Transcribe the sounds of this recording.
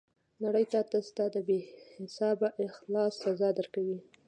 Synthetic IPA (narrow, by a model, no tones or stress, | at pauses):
naɽəjt̪at̪əst̪ad̪əbehɪsɑbaʔɪxlɑsːazɑd̪əɾkawi